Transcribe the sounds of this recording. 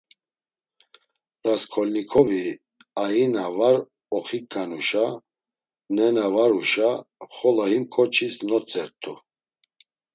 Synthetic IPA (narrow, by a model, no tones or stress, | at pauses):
raskʰɔlnikʰɔvi | ajinavaɾ | ɔχikɡanuʃa | nɛnavaɾuʃaχɔlahimkʰɔt͡ʃʰisnɔt͡sʰʼɛɾt̪ʰu